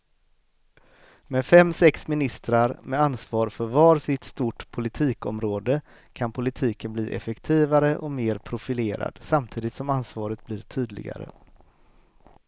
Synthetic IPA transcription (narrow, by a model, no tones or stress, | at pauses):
mɛfɛmːsɛksmɪnɪst̪ɾaɾmɛansvɑːɾfœɾvɑːɾsɪt̪st̪uʈpʰʊlɪt̪ʰiːkɔ̰mɾoːd̪ə | kʰanpʰʊlɪt̪ʰiːkənblḭːʔɛ̰fɛkt̪ʰiːvaɾəʔɔmeːɾpʰɾʊfɪleːɾa̰d̪̥samt̪ʰiːd̪ɪt̪sɔmansvɑːɾət̪̚bliːɾʈ̪ʰyːd̪lɪ̰ɡa̰ɾə̰